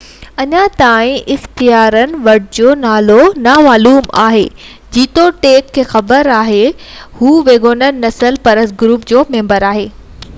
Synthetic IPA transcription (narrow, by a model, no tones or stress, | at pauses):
ɐɲãt̪aːĩʔɪxt̪ijaːɾənɪ̆ʋɐʈd͡ʑoːnaːlonaːmaːluːma̰ːɦeː | d͡ʑiːt̪oʈeːkʰːeːxɐbəɾaːɦe | huːʋeːɡoːnənɪ̆nɐsəlpɐɾəsɡɾuːpd͡ʑoːmẽːmbəɾaːɦeː